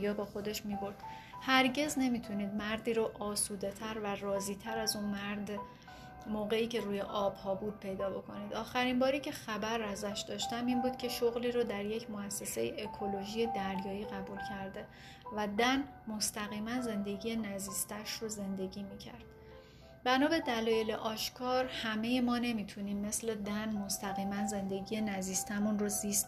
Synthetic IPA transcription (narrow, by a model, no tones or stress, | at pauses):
jɒːbɒːxo̞d̪e̞ʃmiːbo̞ɾd̪̥ | hæɾɟe̞zne̞miːt̪ʰuniːd̪mæɾd̪iːɾoʔɒːsuːd̪e̞t̪ʰæɾværɒːziːt̪ʰæɾæzunmæɾd̪ | moːɣe̞iːce̞ɾuːje̞ʔɒːb̥hɒːbuːd̪̚pʰe̞jd̪ɒːbo̞kʰo̞niːd̪ɒːxæɾimbɒːɾiːcʰe̞xæbæɾːæzæʃd̪ɒːʃt̪æmiːnbuːd̪̥̚cʲʰe̞ʃoɣliːɾod̪æɾje̞cʰmoæsːe̞se̞jeʔekʰo̞loʒiːje̞d̪æɾjɒːiːɣæbuːlcʰæɾd̪e̞ | væd̪æn | mo̞st̪æɣiːmænze̞nd̪e̞ɟiːje̞næziːst̪ʰæʃroze̞nd̪e̞ɟʲiːmiːcʰæ̰ɾd̪̥ | bænɒːbe̞d̪ælɒːje̞le̞ʔɒːʃkʰɒːɾhæme̞jemɒːne̞miːt̪ʰuniːmːe̞sle̞d̪ænmost̪æɣiːmænze̞nd̪e̞ɟije̞næziːst̪ʰæmunroziːst̪̚